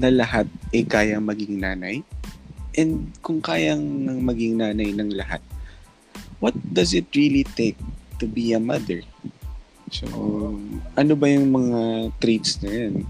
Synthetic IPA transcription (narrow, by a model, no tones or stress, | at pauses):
nɐlɐɦat̪̚ʔɛkaːjɐŋmɐɡɪŋnaːnɐj | ʔɛnd̪̚kʊŋkaːjɐŋɐŋmɐɡɪŋnaːnɐjnɐŋlɐha̰t̪̚ | wɐt̪̚d̪ɐsɪt̪̚ɹilit̪ek̚t̪ʊbiɐmɐd̪ɛɹ | so̰ | ʔɐnobɐjʊŋmɐŋat̪ɾit̪snɐjon